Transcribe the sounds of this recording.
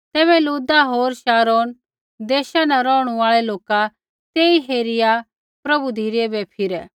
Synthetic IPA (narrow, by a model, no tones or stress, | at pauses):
t̪ɛːβɛluːd̪aɦoːɾʃaːɾoːn | d̪eːʃanaɾɔːɽ̃ũaːɭɛloːka | t̪eːiɦeːɾɪja | pɾɐbud̪ʱiːɾɪɛbɛpʰɪɾɛ